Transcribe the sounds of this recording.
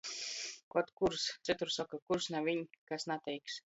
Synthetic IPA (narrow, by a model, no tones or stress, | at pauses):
kot̪kuɾst͡sɨt̪uɾsokakuɾsnaʋinʲkasnat̪ejks